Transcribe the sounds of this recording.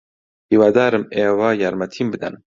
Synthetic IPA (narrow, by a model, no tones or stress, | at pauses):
hiwaːd̪aːɾɨmeːwaːjaɾmɐt̪ʰimbɨd̪a̰n